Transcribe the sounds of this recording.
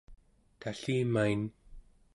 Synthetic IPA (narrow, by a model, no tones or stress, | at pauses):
t̪ʰaɬiːmajn